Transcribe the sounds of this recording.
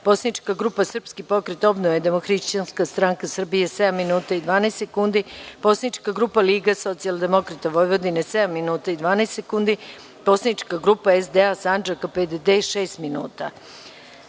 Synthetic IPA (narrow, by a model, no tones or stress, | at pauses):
po̞sanit͡ʃkaɡɾupasr̩pskipo̞kɾet̪o̞bnoʋed̪e̞moxɾiʃt͡ʃanskast̪ɾaŋkasr̩bijesed̪amːinuːt̪aid̪ʋaːnaest̪sekund̪ipo̞sanit͡ʃkaɡɾupaliːɡaso̞t̪siald̪e̞mo̞kɾat̪aʋo̞jʋo̞d̪inesed̪amːinuːt̪aid̪ʋaːnast̪sekund̪i | po̞sanit͡ʃkaɡɾupaezd̪easand͡ʒakaped̪ed̪eʃeːst̪minṵːt̪a